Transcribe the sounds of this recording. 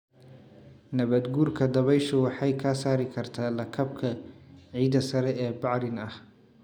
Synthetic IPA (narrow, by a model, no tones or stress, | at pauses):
nɐβɐd̪ɡuːrkʰɐd̪ɐβɛjʃʊwɑħɑjkʰaːsaːɾɪkʰɐrt̪ʰaːlɐkʰɐbkʰɐʕiːd̪ɐsɐɾɛɛːbɑʕɾɪnɐh